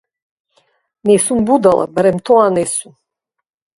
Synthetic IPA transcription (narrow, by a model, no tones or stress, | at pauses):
nɛsumbud̪alʔa̰bɾɛmt̪ʰɔanɛsun